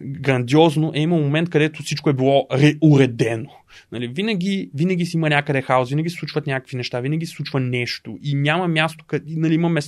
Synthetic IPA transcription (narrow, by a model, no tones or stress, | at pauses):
ɡɾɐnd̪iɔznoʔɛiməlˠmomɛnt̪̚kɐd̪ɛt̪osit͡ʃkoɛbilˠɔɾɛʊɾɛd̪ɛno | nɐlivinɐɡʲivinɐɡʲisɛimənʲakəd̪ɛxaosvinɐɡissˠut͡ʃvɐt̪nʲakə̥kvinɛʃt̪avinɐɡʲisɛsˠut͡ʃvɐnɛʃt̪oʔinʲamɐmʲjast̪o̥kɐinɐliimɐmɛs